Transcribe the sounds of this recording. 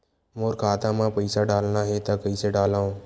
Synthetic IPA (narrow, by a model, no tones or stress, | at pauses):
moːɾkʰaːt̪aːmãpəɪsaɖaːlnaɦet̪akəiseɖaːlãːõː